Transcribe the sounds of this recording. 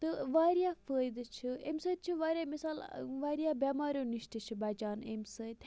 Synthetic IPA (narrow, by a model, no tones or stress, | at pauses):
t̪ɨʋaːɾijaːfəːjd̪t͡ʃʰiḛmsəːt̪̚ʲt͡ʃʰiʋaːɾʲjaːmisaːlʋaːɾijaːbʲamaːɾʲjoːniʃʈ̪it͡ʃʰibɐd͡ʒaːnḛmsəːt̪ʲ